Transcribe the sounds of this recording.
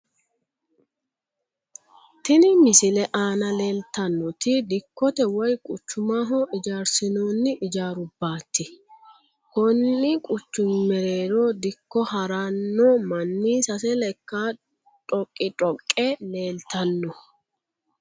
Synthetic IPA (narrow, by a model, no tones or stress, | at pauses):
t̪ɪnɪmɪsɪlɛʔaːnɐle̞ːlt̪ɐnːɔt̪ɪd̪ɪkːɔt̪ɛwɔjkʼʊt͡ʃːʊmaːɦɔʔɪd͡ʒaːɾsɪnoːnːɪʔɪd͡ʒaːɾʊbːaːt̪ːɪ | kɔnːɪkʼʊt͡ʃːʊmmɛɾeːɾɔd̪ɪkːɔhɐɾanːɔmɐnːiːsɐsɛlɛkːa | tʼɔkʼːɪtʼɔkʼːɛle̞ːlt̪ɐnːɔ